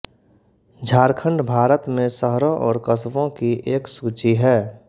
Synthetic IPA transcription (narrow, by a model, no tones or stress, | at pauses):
d͡ʒʱaːɾkʰə̃ɳɖbʱaːɾət̪mẽsəɦɾõʔɔːɾkəsʋõkiʔeːksuːt͡ʃiɦɛː